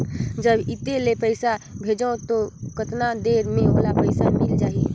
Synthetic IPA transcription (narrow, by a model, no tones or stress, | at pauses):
d͡ʒəbɪt̪elepəɪsabʱed͡ʒət̪okət̪nad̪eɾmẽɦoːlapəɪsamɪld͡ʒaːi